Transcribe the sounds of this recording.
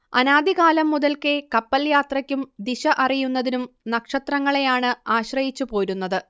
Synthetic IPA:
ɐnaːd̪iɣaːlɐmːuðɐlkekɐpːɐljaːt̪rɐkʲːumd̪iɕɐʔɐrijunːɐðinumnɐkʂɐt̪rɐŋːɐɭejaːɳɨaːɕrɐjit͡ɕːupo̞ːɾunːɐðɨ

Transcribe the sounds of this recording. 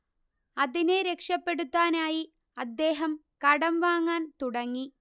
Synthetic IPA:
ɐðineɾe̞kʂɐpːe̞ɽut̪ːaːnaːji | ɐd̪ːe̞ːɦɐm | kɐɽɐmʋaːŋːaːnt̪uɽɐŋːi

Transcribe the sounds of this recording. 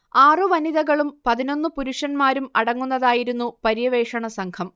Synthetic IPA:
aːrɨʋɐniðɐɣɐɭumpɐðino̞nːɨpuɾuʂɐnmaːɾumɐɽɐŋːunːɐðaːjiɾunːupɐɾjɐʋe̞ːʂɐɳɐsɐŋkʰɐm

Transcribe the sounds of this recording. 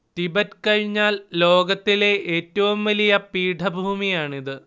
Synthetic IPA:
t̪ibɐɾkɐɻiɲːaːllo̞ːɡɐt̪ːile̞ʔeːtːɐʋumʋɐlijɐpiːʈʰɐbʱuːmijaːɳiðɨ

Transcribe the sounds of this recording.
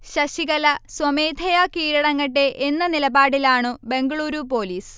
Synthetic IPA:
ɕɐɕiɣɐlɐswɐmeːd̪ʱɐjakiːɾɐɽɐŋːɐʈːe̞ʔːnːɐnilɐbaːɽilaːɳɨbe̞ŋɡɐɭuːɾupo̞ːliːs

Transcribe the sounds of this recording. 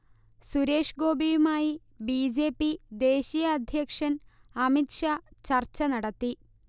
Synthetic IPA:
suɾe̞ːʂɡo̞ːbijumaːji | bid͡ʑe̞ːpːid̪e̞ːɕijɐːd̪ʱjɐkʂɐn | ɐmitʂat͡ɕɐrt͡ɕːɐnɐɽɐt̪ːi

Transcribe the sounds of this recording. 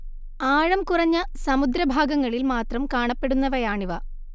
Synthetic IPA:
aːɻɐmkurɐɲːɐsɐmud̪ɾɐbʱaːɡɐŋːɐɭilmaːt̪rɐmkaːɳɐpːe̞ɽunːɐʋɐjaːɳiʋɐ

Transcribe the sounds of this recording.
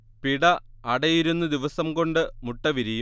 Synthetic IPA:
piɽɐɐɽɐjiɾunːɐd̪iʋɐsɐmko̞ɳɖɨmuʈːɐʋiɾiju

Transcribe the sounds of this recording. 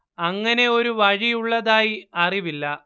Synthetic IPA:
ɐŋːɐne̞o̞ɾuʋɐɻijuɭːɐðaːjiɐriʋilːɐ

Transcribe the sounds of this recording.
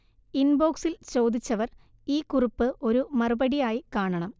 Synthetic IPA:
inbo̞ːksilt͡ɕo̞wd̪it͡ɕːɐʋɐr | iːkuripːɨʔo̞ɾumɐrubɐɽijaːjikaːɳɐɳɐm

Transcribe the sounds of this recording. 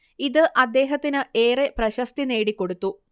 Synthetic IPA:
iðɨʔɐd̪ːe̞ːɦɐt̪ːinɨeːreprɐɕɐst̪ine̞ːɽikːo̞ɽut̪ːu

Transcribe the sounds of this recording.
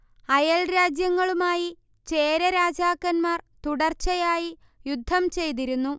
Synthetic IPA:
ɐjɐlɾaːd͡ʑjɐŋːɐɭumaːji | t͡ɕe̞ːɾɐɾaːd͡ʑaːkːɐnmaːrt̪uɽɐrt͡ɕːɐjaːji | jud̪ʱːɐmt͡ɕe̞jt̪̬iɾunːu

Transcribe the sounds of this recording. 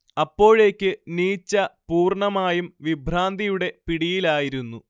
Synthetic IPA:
ɐpːo̞ːɻe̞ːkʲːɨniːt͡ɕːɐpuːrɳɐmaːjumʋibʱɾaːnd̪ʱijuɽe̞piɽijilaːjiɾunːu

